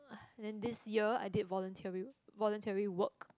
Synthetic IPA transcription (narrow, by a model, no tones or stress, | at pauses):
ɛ̃ndɛ̃ndɪsjiəa̰jdidvɔlə̃ntʰiɹivɔlɔ̃ntʰɛɹiwək